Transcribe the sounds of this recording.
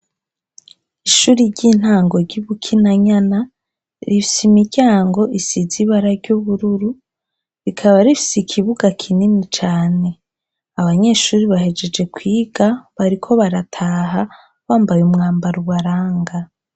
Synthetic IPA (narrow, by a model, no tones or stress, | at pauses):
iʃuːɾiɾɟin̥haːŋɡo̞ɟuβukʰinaɲana | ɾifi̥simiɟaːŋɡo̞ʔisiziβaɾaɾɟuβuɾuɾu | βikʰaβaɾifi̥sikʰiβuɡakʰinimit͡ʃaːne̞ | aβaɲe̞ːʃuːɾiβahe̞d͡ʒe̞d͡ʒe̞kwiːɡ̥aβaɾikʰo̞βaɾatʰaːɦa | βaːmbajumŋaːmbaɾuβaɾaːŋɡa